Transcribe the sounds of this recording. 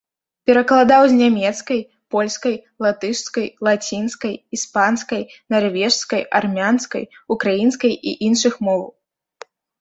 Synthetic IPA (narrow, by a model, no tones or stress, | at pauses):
pʲɛɾɐklˠad̪awzʲnʲamʲɛt̪skɐj | pɔlʲskɐjlˠat̪ɨʂskɐjlˠat͡sʲinskɐjispanskɐjnarvʲɛʂskɐjarmʲanskɐ̰jukɾajinskɐjḭʔinʂɨxmɔw